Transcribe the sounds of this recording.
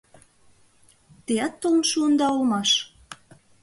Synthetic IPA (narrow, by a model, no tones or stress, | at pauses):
t̪eɑt̪ːolnʃuənd̪ɑolmɑʃ